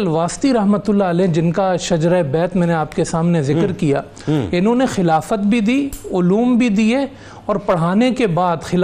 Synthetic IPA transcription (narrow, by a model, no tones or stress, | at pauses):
lʋaːst̪iɾɐɦmət̪ʊlːaəlɛːd͡ʒɪnkaʃɐd͡ʒɾabɛːt̪mɛ̃ːneaːpkesaːmnezɪkɾkija̰ː | ɪnɦõːnexɪlaːfət̪bʱid̪iːʊluːmbʱid̪ie | ɔːɾpɐɽ̤aːnekebaːd̪xɪl